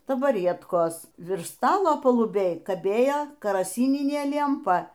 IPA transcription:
tɐbɐˈrʲiɛtkoːs ˈʋʲɪrʃ ˈstɑːlˠoː pɐlˠʊˈbʲeːj kɐˈbʲeːjoː kɐrɐˈsʲiːnʲɪnʲeː lʲiɛmˈpɐ

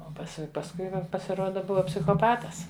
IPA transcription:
oː pɐˈsʲɪ pɐsˈkʊɪ jɛʊ pɐsʲɪˈruɔdɐ ˈbʊʋɐ pʲsʲɪxoːˈpɑːtɐs

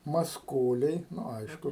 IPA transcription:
mɐsˈkoːlʲɛɪ ˈnʊ ˈɐɪʃkʊ

